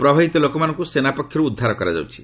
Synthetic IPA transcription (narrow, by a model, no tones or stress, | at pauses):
pɾɔbʱaɦit̪ɔlokɔmanɔ̃ŋkusenapɔkʰjɔɾuːd̪ʱːaɾɔkɔɾad͡ʒa̰wt͡ʃʰi̥